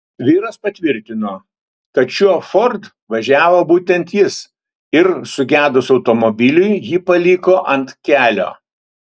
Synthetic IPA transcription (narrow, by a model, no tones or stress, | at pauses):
ʋʲiːɾɐspɐt̪ʲʋʲɪɾʲt̪ʲɪnoː | t̪ɐt̪ʃʲufɔɾt̪ | ʋɐʒʲæːʋoːbuːt̪ʲɛnt̪jɪs | ɪɾsʊɡʲæːd̪ʊsɒʊt̪oːmobʲɪlʲʊɪjiːpɐlʲiːkoːʔɐnt̪kʲæːlʲo̰ː